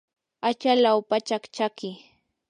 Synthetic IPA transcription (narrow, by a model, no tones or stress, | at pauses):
at͡ʃalawpat͡ʃakt͡ʃakɪ